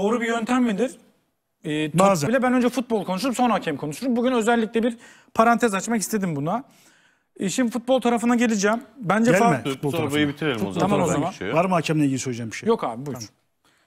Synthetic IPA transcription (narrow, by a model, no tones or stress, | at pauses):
d̪o̞ːɾubijø̞nt̪ʰæmːed̪iɾ̥ | ɛːtb̪aːzbilʲɛbænø̞nd͡ʒɛfut̪̚bo̞lˠkʰo̞nuʃ̬ulˠupso̞nacʰɛmkʰo̞nuʃuɾumbuɟynø̞zɛlʲːicʲlʲɛbiɾ | pʰaɾant̪ʰɛzat͡ʃmakist̪ʰe̞d̪imbuna | ʃimifut̪̚bo̞lˠt̪ʰaɾafɯnd̪aɟe̞lʲid͡ʒæːmbænd͡ʒɛlɛut̪̚bolˠʰaɾajibit̪ʰiɾel̰ʲʰamamozamanvaɾmacʰɛmneiɟilʲisølʲed͡ʒɛmbiʃejo̞ka̰ːbibu